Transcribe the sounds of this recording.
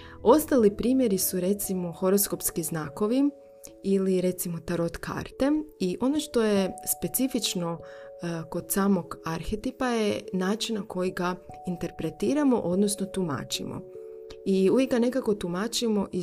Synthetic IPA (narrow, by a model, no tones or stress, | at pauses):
o̞st̪alipɾiːmje̞ɾisuɾe̞t̪simo̞xo̞ɾo̞sko̞pskiznako̞ʋi | iliɾe̞t̪simo̞t̪aɾo̞t̪kʰa̰ɾt̪e̞miʔo̞no̞ʃt̪o̞jespe̞t̪sifit͡ʃno̞ | ko̞d̪̥saːmo̞ɡaɾxet̪ipaje̞naːt͡ʃinnako̞jiɡaint̪e̞ɾpɾe̞t̪iːɾamo̞ʔo̞d̪nosno̞t̪uma̰ːt͡ʃḭmo̰iujiɡane̞kako̞t̪umaːt͡ʃimo̞ʔi